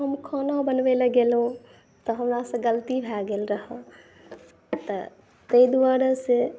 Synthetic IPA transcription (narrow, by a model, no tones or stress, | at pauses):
ɦəmkʰonabənʋeləɡelɦũ | t̪əɦəmɾasə̃ɡəlt̪ibʱɛɡelɾəɦə | t̪ə̰ | t̪əid̪waɾəse